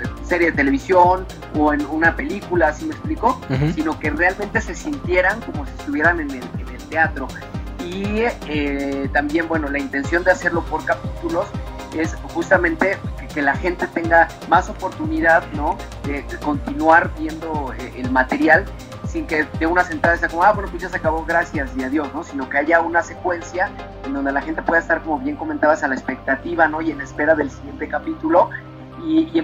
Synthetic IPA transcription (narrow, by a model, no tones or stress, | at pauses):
se̞ɾjeðet̪ele̞βisjo̞n | oenunape̞likulaːsimekspliko̞sino̞ke̞realmẽnt̪e̞se̞sint̪je̞ɾaŋko̞mo̞siest̪uβje̞ɾane̞nelenelt̪eat̪ɾo̞ | iet̪ambje̞nbwe̞no̞laint̪e̞nsjo̞nd̪ease̞ɾlo̞po̞ɾkapit̪ulo̞s | e̞sxust̪amẽ̞nt̪e̞keke̞laxe̞nt̪e̞t̪e̞ŋɡa | maso̞po̞ɾt̪uniðaðno̞ | d̪e̞ko̞nt̪inwaɾbje̞nd̪o̞eʔelmat̪e̞ɾjal | siŋke̞ðeunase̞nt̪ɾaðaseakomoaβwe̞nopusjas̬akaβo̞ɣɾasjasiaðjo̞sno̞sino̞ke̞aʝaunase̞kwe̞nsja | end̪o̞nd̪e̞laxe̞nt̪e̞pwe̞ðest̪aɾko̞mo̞βje̞ŋko̞ment̪aβasalaespe̞k̚t̪at̪iβano̞ie̞nespe̞ɾaðe̞lsiɣje̞nt̪e̞kapit̪ulo̞ | i